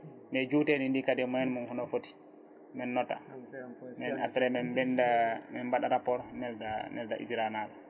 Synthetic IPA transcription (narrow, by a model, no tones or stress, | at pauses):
mɛd͡ʒuːtenindikadɛmɔjɛnmunhunɔfoti̥ | mɛnːɔtːa̰ | mɛna̰fɛɾɛmɛnbɛndamɛnbaɗaɾapɔɾnɛldanɛ̰ldaʔḭd͡ʒɾanal